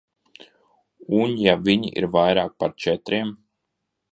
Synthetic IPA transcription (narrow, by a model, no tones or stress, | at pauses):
unjavʲiɲḭʔḭɾvajɾaːk̚paɾt͡ʃɛt̪ɾim